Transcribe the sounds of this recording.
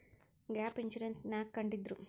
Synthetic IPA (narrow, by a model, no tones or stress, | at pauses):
ɡaːpint͡ʃuɾensnjaːkːɐɳɖid̪ɾu